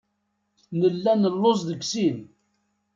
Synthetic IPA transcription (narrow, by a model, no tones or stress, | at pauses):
nəlːænəlːozˤðəɡsin